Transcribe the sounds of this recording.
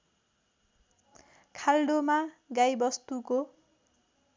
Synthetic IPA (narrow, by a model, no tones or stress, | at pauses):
kʰalɖomaɡajbʌst̪uko